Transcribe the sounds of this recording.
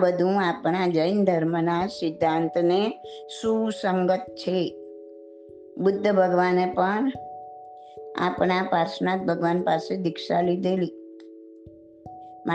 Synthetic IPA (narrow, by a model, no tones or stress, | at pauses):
bəd̪ʱũapɳad͡ʒəjnd̪ʱəɾmənasɪd̪ʱːãnt̪nesũsəŋɡət̪t͡ʃʰe | bʊd̪ʱːəbʱəɡʋanepəɳ | a̰pɳapaɾsnat̪̚bʱəɡʋanpased̪ɪkʃalid̪eli | ma